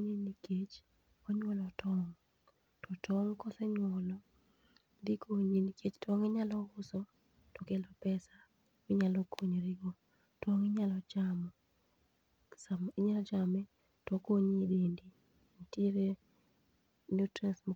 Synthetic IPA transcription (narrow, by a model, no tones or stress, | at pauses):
ɲeniket͡ʃ | ɔɲwɔlɔtʰɔŋ | tɔtʰɔŋkɔsɛɲwɔlɔ | dikoɲiniket͡ʃtɔŋɪɲalɔʊsɔ | tɔkɛlɔpɛsa | mɪɲalɔkʰoɲɾɪɡo | tɔŋɪɲalɔt͡ʃamɔ | samɪɲalɔt͡ʃamɛ | tɔkoɲdendi | ntiɾe | nutɾɛnsm